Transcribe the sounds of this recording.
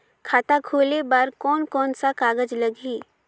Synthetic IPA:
kʰaːt̪akʰoːlebaːɾkɔːnkɔːnsakaːɡəd͡ʒləɡiː

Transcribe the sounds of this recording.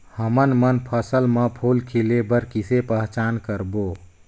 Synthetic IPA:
həmənmənpʰəsəlməpʰolkʰilebəɾkisepəɦt͡ʃankəɾbo

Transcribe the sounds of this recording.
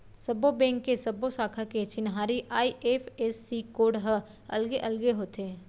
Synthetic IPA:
sɐbobɛ̃ːŋkːesɐbosaːkʰaket͡ʃɪnɦaːɾiʔaːiʔeːpʰɛsːikoːɖɦə | ɐ̰lɡeʔɐlɡeɦoːt̪ẽ

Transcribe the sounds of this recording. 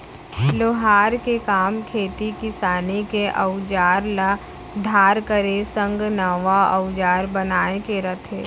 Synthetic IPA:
loɦaːɾkekaːmkʰeːt̪ikɪsaːnekeʔɐʊd͡ʒaːɾla | d̪ʱaːɾkəɾesə̃ŋɡnɐʋaɐ̰ʊd͡ʒaːɾbɐnaːekeɾɐt̪ʰeː

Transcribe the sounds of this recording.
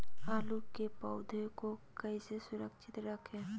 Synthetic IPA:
aːlukepəʊd̪ʱekokəɪsesʊɾəkʃʰɪt̪ɾəkʰẽː

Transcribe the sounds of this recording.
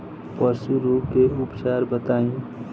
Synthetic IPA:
pəsuɾuːpkeʊpt͡ʃaːɾbət̪aːĩ

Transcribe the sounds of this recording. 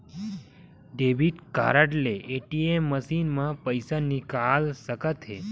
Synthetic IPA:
ɖebiʈka̰ɾaʈleːʈiemːəsinmãpəjsanikalsəkət̪ʰɦe

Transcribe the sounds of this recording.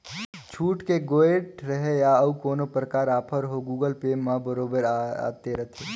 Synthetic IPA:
t͡ʃʰuːʈkeɡoːeʈɾəɦejaɐukoːnopɾəkaːɾaːpʰəɾɦoɡuːɡəlpeːmãbəɾoːbəɾaa̰ːt̪eɾɐt̪ʰe

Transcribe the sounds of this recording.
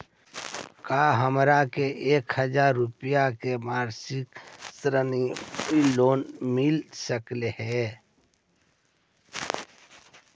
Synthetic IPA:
kaɦəmɾakeʔeːkhəd͡ʒaɾːupijakemaːɾsɪksɾəniiloːnmɪlsəklehɛ

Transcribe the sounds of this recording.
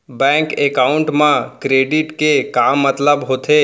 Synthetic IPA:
bɛ̃ːŋkeːkaːʊɳʈmãkɾeːɖɪʈkekaːmːət̪ləbɦoːt̪ʰeː

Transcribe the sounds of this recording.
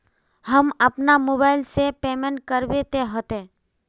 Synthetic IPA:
həməpnamoːbaːɪlsepeːmẽɳʈ̚kəɾʋet̪eɦət̪ẽ

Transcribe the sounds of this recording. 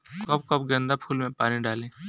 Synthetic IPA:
kɔːp̚kɔːpɡɐ̃nd̪apʰuːlmẽpaːniɖaːlẽː

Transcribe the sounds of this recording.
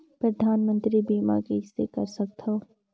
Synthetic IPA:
pɾɐd̪ʱaːnmə̃nt̪ɾibiːma̰kesekɐɾsɐk̚t̪ɦoː

